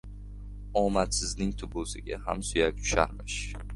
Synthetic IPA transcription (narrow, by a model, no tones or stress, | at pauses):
ɒmat̪sɪznɪŋt̪ʰʊbʊsɪɡʲahamsʊjak̚ʲt͡ʃʰʊ̥ʃa̰ɾmɪʃ